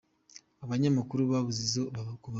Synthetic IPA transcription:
aβaɲamakuɾuβaβuzizokuβ

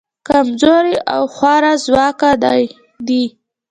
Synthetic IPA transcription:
kamzoɾiʔa̰wxwɑɾazwɑkad̪aj | d̪i

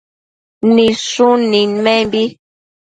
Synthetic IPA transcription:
nisunimɛmbi

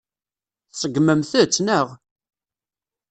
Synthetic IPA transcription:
θsəɡːməmθət͡sːnəʁ

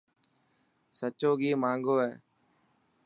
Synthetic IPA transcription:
sət͡ʃoːɡiːmaːŋɡoːɦɛː

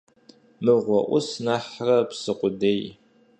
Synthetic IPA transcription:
mɨʁʷɔʔʷʊsnaħrɐpsɨqʷʊdej

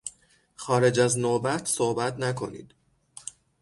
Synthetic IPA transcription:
xɒːɾe̞d͡ʒæznoːbæt̪ʰsohbæt̪ʰnækʰo̞nḭːd̪̥

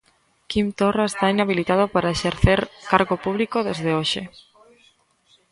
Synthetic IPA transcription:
kimt̪oraest̪ainaβilit̪að̞opaɾaeʃeɾθeɾkaɾɣopuβlikoðezðeoʃe

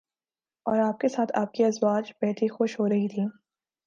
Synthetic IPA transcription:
ɔːɾaːp̚kesaːt̪ʰa̰ːp̚kiɐzwaːd͡ʒbɛːt̪ʰixʊʃɦoːɾɐɦit̪ʰiː

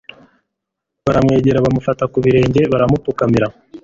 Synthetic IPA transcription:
βaɾamŋe̞ːɟe̞ɾaβamufatakuβiɾe̞ːɲɟe̞βaɾamupukamiɾa

